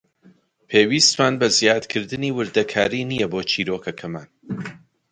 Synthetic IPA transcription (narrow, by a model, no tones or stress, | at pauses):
pʰeːwist̪maːnbɐzijaːd̪kʰɨɾd̪ɨniːwɨɾd̪ɐkʰaːɾinijɛboːt͡ʃʰiːɾokʰɐkʰɐma̰ːn